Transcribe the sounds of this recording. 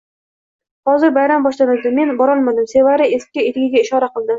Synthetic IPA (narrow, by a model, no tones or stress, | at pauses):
hɒzɪɾbajɾambɒʃlanɪld̪ɪme̞nbɒɾɒlˠmad̪ɪmse̞vaɾɪesɪ̥p̚ʲkʲaet̪ɡʲɪɡʲaɪʃɒɾaqɨlˠd̪ɪ